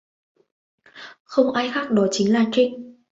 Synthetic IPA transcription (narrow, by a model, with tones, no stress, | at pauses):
xə˧wŋ͡mʔaː˧jxaː˦˥k̚ɗɔ˨˦t͡ɕï˨˦ŋ̟laː˨˩t͡ɕï˧ŋ